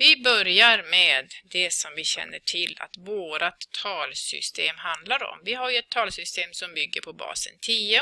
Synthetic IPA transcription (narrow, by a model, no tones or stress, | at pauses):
vɪbœɾjaɾmeːd̪ːɛsɔmvɪɕɛ̰nːəʈʰɪlːa̰t̪voːɾat̪ʰːɑːlsʏ̰st̪ʰeːmɦand̪laɾɔ̰mvɪɦaɾjɵɛt̪ʰːɑːlsʏst̪eːmsɔmbʏɡːəɾpʰɔbɑ̰ːsə̰nt̪ʰiːə